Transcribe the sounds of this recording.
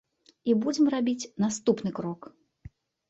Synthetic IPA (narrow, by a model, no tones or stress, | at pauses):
ibud͡zʲɛmrabʲit͡sʲnast̪upnɨkɾɔk